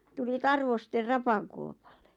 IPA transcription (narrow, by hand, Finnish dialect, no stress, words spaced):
tuli tɑrʋoster rɑpɑkuopɑl̥ːe̥